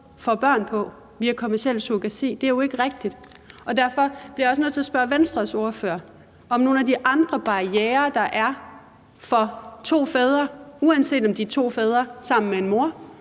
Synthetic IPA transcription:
fɒ̽b̥ɶɐ̰npʰɒ̽ | ʋiækʰomæɐsiel̰soɡ̥æse̝̰ːd̥e̝æɐjoe̝ɡ̥əʁeɡ̥̚d̥id̥ɒ̽d̥æɐfɒ̽b̥liɐjɒsnɔðˠt͡sʰe̝ɒsb̥ɶɐʋensd̥ʁɐso̝ɐføːɐ̰ | ɒ̽mno̝ːnæd̥iʔɑ̈nd̥ʁɐb̥ɑ̈ieːɐd̥ɑ̈ʔæɐ | fɒ̽t͡sʰo̝̰ːfɛːð̞ˠʁɐuænsḛːd̥ɒ̽md̥iæt͡sʰo̝̰ːfɛːð̞ˠʁɐsɑ̈m̰n̩mee̝nmo̝ɐ

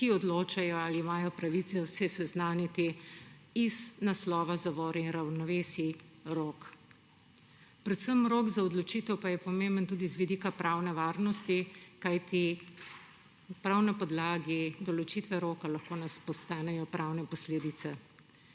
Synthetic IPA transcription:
kiɔd̪loːt͡ʃajɔaliːmaːjɔpɾaʋit̪sɛsɛsɛznaːnit̪i | iznaslɔːʋazaʋɔːɾɛinɾawnɔʋeːsi | ɾok | pɾɛt̪səmɾoːɡzaɔd̪lɔt͡ʃit̪ɛwpajɛpɔmẽmbənt̪uːd̪izʋid̪iːkapɾaːwnɛʋaːɾnɔst̪ikajt̪i | pɾawnapɔd̪laːɡid̪ɔlɔt͡ʃit̪ʋɛɾoːkalɐxkoːnaspɔst̪aːnɛjɔpɾʔaːwnɛpɔsleːd̪it̪sɛ

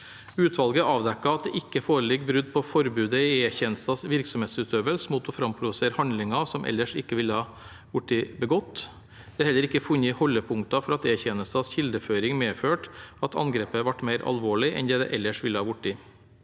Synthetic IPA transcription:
ʉːt̪ʰʋɑlɡəɑːʋd̪ɛkːɑɑt̪̚d̪ɛ̰ʔɪkːəfoːɾəlɪɡbɾʉd̪ːpʰɔfɔɾbʉːd̪əieçɛnəst̪ɑsʋɪɾksɔmeːt̪sʉːt̪ʰøːʋəlsmuːt̪ɔfɾɑmpʰɾʊd̪ʊseːɾhɑnd̪lɪŋɑsɔmʔɛ̰lːəʂɪkːəʋɪlːəhɑː | ʋʊʈːɪbəɡɔt̪ː | d̪̥ɛhɛlːəɾɪkːəfʉnːəhɔlːəpʰʊŋt̪ɑfɔɾɑt̪eːçɛnəst̪ɑsçɪld̪əføːɾɪŋmeːføːʈɑt̪ʰɑ̰nɡɾeːpəʋɑʈːmeɪɾʔɑ̰lʋoːɭɪʔɛ̰nd̪ɛd̪ɛ̰ʔɛlːəʂʋɪlːəhɑːʋʊʈːɪ

